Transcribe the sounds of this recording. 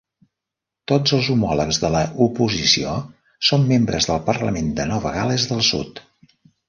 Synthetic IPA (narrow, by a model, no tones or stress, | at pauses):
t̪od͡zəlˠzumɔləkzðələʔupuzisio | somːembɾə̰zðəlˠpərləmend̪ənɔβəɣaləzðəlˠsṵt̪